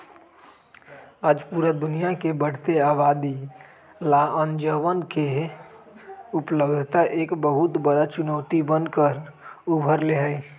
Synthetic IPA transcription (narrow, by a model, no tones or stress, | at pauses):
aːd͡ʒpuːɾed̪ʊnijakebəɽ̤t̪eaːbaːd̪i | laːə̃nd͡ʒəʋənke | ʊpləbd̪ʱt̪aʔeːkbəɦʊt̪bəɾat͡ʃʊnɔːt̪ibənkəɾʊbʱəɾleɦəe